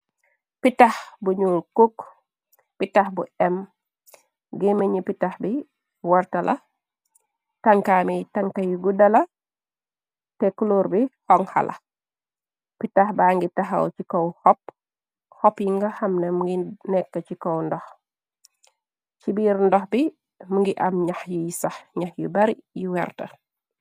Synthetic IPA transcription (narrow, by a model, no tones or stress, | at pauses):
pitahbuɲulkuk | pitahbuɛm | ɡemeɲipitahbi | waɾtɐlʔɐ | taŋkamitaŋkɐjiɡudɐlɐ | tɛkuloɾbihɔŋha̰lʔɐ̰ | pitaxbaːŋɡitɐɦɐ̰wt͡ʃikɔwhɔp̚ | hɔpjiŋɡɐhɐmnɐmuŋɡinɛkːɐt͡ʃikɔwndɔx | t͡ʃibiːɾndɔxbi | muŋɡiʔɐmɲɐxjujisaxɲaxjubɐɾijuwɛɾtɐ̰